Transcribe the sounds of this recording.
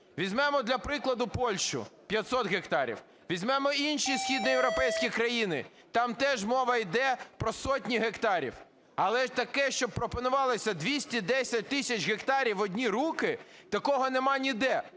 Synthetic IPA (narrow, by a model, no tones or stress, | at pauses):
ʋʲizʲmɛmɔd̪lʲɐpɾɪklˠɐd̪ʊpɔlʲʃʊ̰pʲjɐt̪sɔt̪ɦekt̪ɑɾʲḭw | ʋʲizʲmɛmɔinʃisʲxʲid̪nɔjewɾɔpɛjsʲkʲikɾɐjinɪ̰ | t̪ɑmt̪ɛʒmɔʋɐjd̪ɛpɾɔsɔtʲnʲiɦekt̪ɑɾʲḭw | ɐlˠɛt̪ɐkɛʃt͡ʃɔb̚pːɾɔpɔnʊʋɑlˠɪsʲɐd̪ʋʲisʲtʲid̪ɛsʲɐt̚ʲt̪ɪsʲɐt͡ʃɦekt̪ɑɾʲiwɔdʲnʲiɾukɪt̪ɐkɔɦɔnɛmɑnʲid̪ɛ